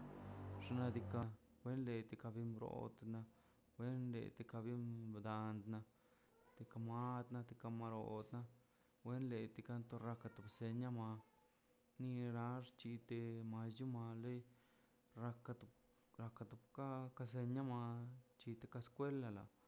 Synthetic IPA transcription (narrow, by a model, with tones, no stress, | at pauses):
ʐna˧d̪i˧ka˧wʷe˦nle˧t̪e˧ka˧bi˧mbɾo̰˧˨t̪na˧ | wʷe˦nlḛ˨t̪e˧ka˧bi˦md̪a˧nd̪na˧ | t̪i˧ka˧ma˦d̪na˧t̪e̥˧ka˧ma˧ɾo̰˨d̪na˦ | we˦nle˧t̪i˧ka˦nt̪o˧ɾa˧ka˧t̪u˧bse˧ɲa˦ma˧ | ni˧ɾa˧˦ʐt͡ʃi˧t̪e˧ma˧sd͡ʒu˦ma˧le˦j | ɾa˧ka˧t̪u˧ | ɾa˧ka˧t̪u˧bka˦ka˧s̬e˧ɲa˦ma˧t͡ʃi˧t̪e˧ka˧skwe˦la˧la̰˨